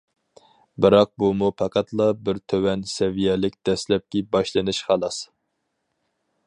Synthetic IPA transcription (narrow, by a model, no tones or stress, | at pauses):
bɨɾɑq̚bumupʰɑqʰæt̪lˠɑbɪɾt̪ʰøwɛnsɛvijɛlɪk̚ʲd̪̥ɛslɛp̚kʲibɑʃlˠɨnɨʃχɑlˠɑs